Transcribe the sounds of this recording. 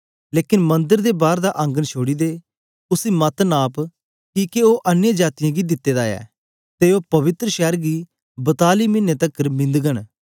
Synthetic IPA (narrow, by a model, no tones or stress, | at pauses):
leːkɪnmɐ̃nd̪əɾd̪eːbaːɾd̪aʔɐ̃ŋɡənt͡ʃʰoːɽiːd̪eː | ʊsimɐt̪naːp | kiːkeoːʔənjãːd͡ʒaːt̪ɪjãːɡid̪ɪt̪ːeːd̪aːɛ̰ː | t̪eːoːpɐʋɪt̪ɾəʃɛːɾɡiː | bət̪aːlimɪnːet̪əkːəɾmɪ̃nd̪ɡən